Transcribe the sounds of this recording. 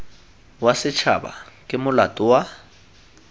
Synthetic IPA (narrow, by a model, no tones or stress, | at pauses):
wasɪt͡ʃʰa̰ba̰kʼɪmʊlatʼʊwa